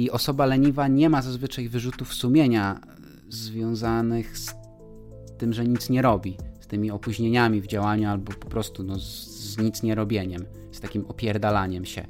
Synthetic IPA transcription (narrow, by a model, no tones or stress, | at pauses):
iʔɔsɔbalɛɲivaɲɛmazazvɘt͡ʂajvɘʐut̪ufsumʲjeɲa | zvʲjɔ̃w̃zanɘxs | t̪ɘmʐɛɲit̪sɲɛɾɔbʲist̪ɘmʲiɔpuʑɲeɲamʲivd͡ʑawaɲualbɔpɔ̥pɾɔst̪unɔ | zɲit̪sɲɛɾɔbʲjeɲɛm | st̪akʲimɔpʲjɛɾd̪alaɲɛmɕɛ̰